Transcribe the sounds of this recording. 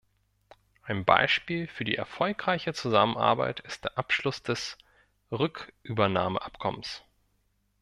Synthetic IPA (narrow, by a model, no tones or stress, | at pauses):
ʔaɪnba̰ɪʃpiːlfyːɐdḭːʔɛɐfɔlkʁ̥aɪçət͡suzamənʔa̰ɐba̰ɪtʰɪstd̥eːɐʔapʃlʊsd̥ɛs | ʁʏkʔyːbɐnaːmə̰ʔapkʰɔməns